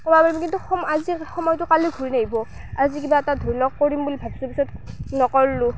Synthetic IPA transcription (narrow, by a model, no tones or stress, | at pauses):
kɔbapaɹimkintuxɔmazixɔmɔjtʊkaliɡʱuɹinaɦibɔ | azikibaɛtadʱɔɹlɔk̚koɹimbulibʱabsɔpisɔt̚nɔkɔllu